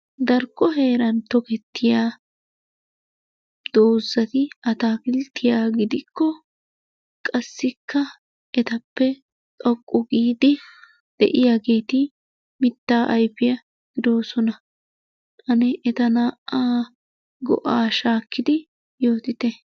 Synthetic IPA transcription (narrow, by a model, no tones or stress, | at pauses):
d̪ɐɾkːɔɦe̞ːɾɐnt̪ɔkɛt̪ːɪjaː | d̪̥oːzɐt̪ɪɐt̪aːkɪlt̪ːɪjaːɡɪd̪ɪkːɔ | kʼɐsːɪkʰːɐ | ʔɛt̪ɐpːɛ | t̪ʼɔkʼːɔɡiːd̪ɪ | d̪̥ɛ̰ʔɪjaːɡeːt̪ɪ | mɪt̪ːaːʔɐjpːɪjɐ | ɡ̥ɪd̪o̞ːsɔnɐ | t̪ɐnɛʔɛt̪ɐnaːʔaː | ɡɔ̰ʔaːʃaːkːɪd̪ɪ | jo̞ːt̪ɪt̪ɛ